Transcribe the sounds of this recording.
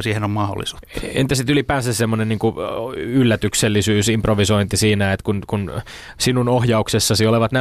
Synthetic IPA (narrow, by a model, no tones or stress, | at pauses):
siːhenommɑho̰lːˑḭsu̥ːḛnt̪æsit̪ylipæːsessemːonenniːŋkuylːæt̪ykselːisyːsimproʋisoint̪isiːnæet̪kunkun | sinunohjɑuksesːɑsioleʋɑt̪næ